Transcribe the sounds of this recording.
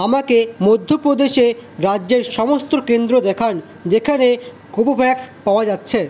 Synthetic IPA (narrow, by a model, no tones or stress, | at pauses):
amakemod̪ʱːopɾod̪eʃeɾadːʑeɾʃɔmost̪okend̪ɾod̪ɛkʰan | d͡ʑekʰane | kobobʰʱɛkspaoad͡ʑatːɕʰe